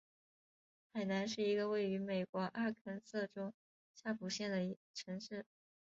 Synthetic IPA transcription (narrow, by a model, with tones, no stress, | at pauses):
xa˨˩ɪna˧˥nʂɻ̩˥˩i˧˥ɡə˧we˥˩ɪy˧˥me˨˩ɪkwɔ˧˥ʔa˥˩kʰə˧˥nsɤ˥˩ʈ͡ʂo˥ʊ | ɕja˥˩pʰu˨˩ɕjɛ˥˩nd̪ə˩˧˥ʈ͡ʂʰɤ˧˥ŋʂɻ̩˥˩